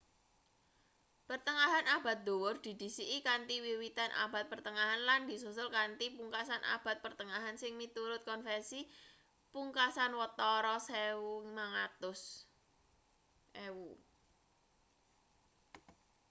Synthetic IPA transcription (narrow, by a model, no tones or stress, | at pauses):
pərt̪əŋaɦanab̥a̤t̪̚d̪̥o̤wʊrd̪̥i̤d̪̥i̤siʔːkant̪iwiwit̪anʔa̰b̥a̤t̪̚pərt̪əŋaɦanland̪i̤susʊlkant̪ipuŋkasanʔa̰b̥a̤t̪̚pərt̪əŋaɦansɪŋmit̪uɾʊt̪̚kɔnfɛnsi | puŋkasanwət̪ɔɾɔsewumaŋat̪ʊs | ʔewu